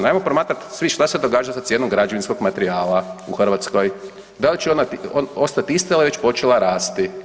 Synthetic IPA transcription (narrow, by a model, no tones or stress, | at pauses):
naːjmopɾomaːt̪ɾat̪sʋiʃt̪ased̪oɡaːd͡ʒalsat̪sjenomɡɾad͡ʒo̞ʋinsko̞ɡmat̪eɾiaːlauxr̩ʋat̪sko̞j | d̪alit͡ʃeonat̪ionost̪at̪iist̪ailaʋe̞t͡ɕpo̞t͡ʃelˠaɾaːst̪i